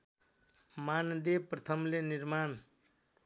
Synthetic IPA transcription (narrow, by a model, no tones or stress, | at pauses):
mand̪eprʌt̪ʰʌmleniɾman